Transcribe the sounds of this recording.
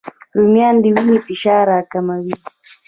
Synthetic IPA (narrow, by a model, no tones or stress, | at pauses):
ɾʊmjand̪ɪwɪɲipɪʃaːɾaːkamawɪl